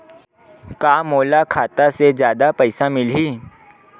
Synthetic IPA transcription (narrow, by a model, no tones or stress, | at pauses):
kaːmoːlakʰaːt̪asezjaːd̪apəɪsamɪlɦiː